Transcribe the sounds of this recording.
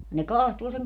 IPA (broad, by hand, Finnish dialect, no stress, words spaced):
ne kɑhtuː seŋ